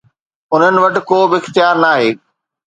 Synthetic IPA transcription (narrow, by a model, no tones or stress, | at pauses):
ʊn̤ənɪ̆ʋɐʈɪ̆koːbɪɪxt̪jaːɾnaːɦeː